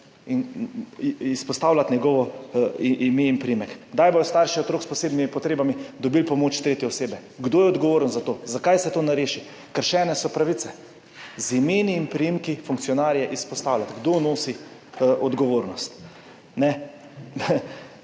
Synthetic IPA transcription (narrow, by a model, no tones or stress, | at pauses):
in | ispɔst̪aːwlat̪nʲjɛɡɔʋɔiʔimeinpɾijimɛkɡd̪ajbojɔst̪aɾʃiɔt̪ɾoːkspɔseːbnimipɔt̪ɾeːbamid̪ɔbilpɔmoːt͡ʃt̪ɾeːt̪jɛɔseːbɛ | ɡd̪oːjɛɔd̪ɡɔʋoːɾnzat̪oːzakajsɛt̪oːnaɾeːʃi | kəɾʃɛːnɛsɔpɾaʋit̪sɛ | zimeːniːmpɾijimkifuŋkt̪sijɔnaːɾjɛʔispɔst̪aːwlat̪ɡd̪onoːsiʔɔd̪ɡɔʋoːɾnɔst̪ | nɛ